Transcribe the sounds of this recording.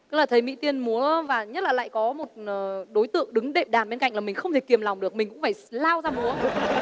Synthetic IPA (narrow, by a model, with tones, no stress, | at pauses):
kə˨˦˥laː˨˩t̪ʰjmḭ˧˥t̪i˧ənmu˨˦əvaː˨˩ɲə˦˥t̚laː˨˩la̰ː˧˨jkɔ˨˦mo˨˩t̚ːɗo˨˦jt̪ɨ̰˧˨əŋɗɨ˨˦ŋɗe˨˧˩p̚ɗaː˨˩nɓe˧nka̰˧˨jŋlaː˨˩mï˨˩ŋ̟xə˧wŋ͡mt̪ʰe˧˩ki˨˩əmla˨˩wŋ͡mɗɨ˨˩ək̚mï˨˩ŋkʊ̰˧˥ŋ͡mfaː˧˩jlaː˧wzaː˧mu˨˦ə